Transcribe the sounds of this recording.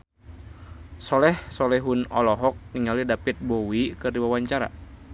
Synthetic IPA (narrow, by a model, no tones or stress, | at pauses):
sɔlɛhsɔlɛɦunɔlɔɦɔk̚niŋalidapit̪̚bowikɨrdiwawaɲt͡ʃaɾa̰